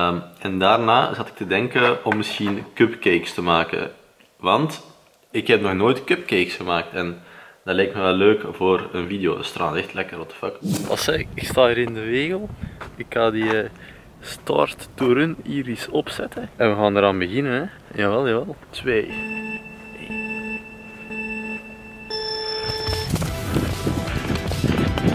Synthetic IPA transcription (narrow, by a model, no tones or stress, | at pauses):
əmɛndaːrnaːzɑtɪ̥k̚tədɛŋkəɔmːɪsxinkɵpkeːkstəmaːkə̰ | ʋɑnt | ɪkɦɛp̚nɔxnoːjtkɵp̚keːksxəmaːk̚tɛnd̥ɑtlɛjk̚tmɛʋɛlːøːkvoːrənvidejo̰ːəstra̰ːnɛxtlɛkəɾɔp̚də̥fɑkɑ̰lˠsɛɪkstaːəɾɪndəʋeːɣəlˠɪkxaːdiə | sta̰rtd̥uɾəniːɾisɔpsɛtəɛnʋəɣaːndəɾaːnbəɣɪnənɛ | jaːʋɛlˠjaːʋɛlˠtʋeː | e